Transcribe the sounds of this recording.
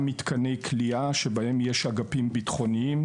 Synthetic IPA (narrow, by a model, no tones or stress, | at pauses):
mit̪kanejkʰliaʃebahe̞mjeʃhaɡapimbit̪χo̞niim